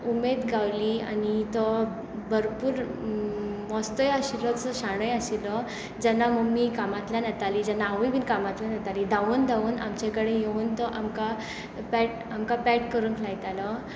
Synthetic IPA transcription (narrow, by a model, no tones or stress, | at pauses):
umed̪ɡawliːa̰nit̪ɔ | bʱəɾpuːɾ | mɔst̪əjaɕilət͡sɔɕaɽ̃əjaɕilɔ | d͡ʑɛnːaməɡmiːkamat̪ljanat̪alid͡ʑɛnːaːʋəjbiːnkamat̪ljanat̪alid̪ʱaʋuːnd̪ʱauːna̰mt͡ɕakəɽejeuːnt̪ɔʔamka | pɛʈ̚ | amkapɛʈkəɾuːnkʰlajt̪alɔ